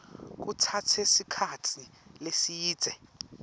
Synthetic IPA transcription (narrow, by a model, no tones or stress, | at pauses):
k̬utʰatʰesikʰatʰilesijiːd̥z̥ʱɛ